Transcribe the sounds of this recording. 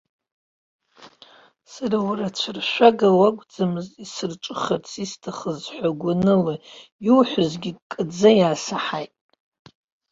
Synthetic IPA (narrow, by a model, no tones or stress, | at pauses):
saɾawrat͡ʃʷʰarʃʷᶣaɡawaɡʷʼd͡zamɨzisɨrt͡ʃʷʼɨχart͡sʰistʰaχəzħʷaɡʷanɨlojuwħʷʊzɡʲikʼɨd͡zajaːsaħajtʼ